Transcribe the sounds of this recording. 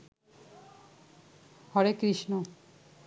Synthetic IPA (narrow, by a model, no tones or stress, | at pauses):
hɔɾekɾiʃno